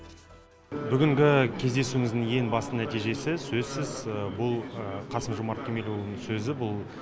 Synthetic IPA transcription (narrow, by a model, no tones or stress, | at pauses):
bʏɡʲɪŋɡʲɪkʲʰe̞zd̪e̞suwɪmŋɪzd̪ɪŋje̞ŋbɑst̪ənæt̪ijʒe̞sɪsɵzsɪzbʊlˠqʰɑsəmʒomɑɾt̪̚kʲʰemʲelʲulˠnəɴsɵzɪbʊlˠ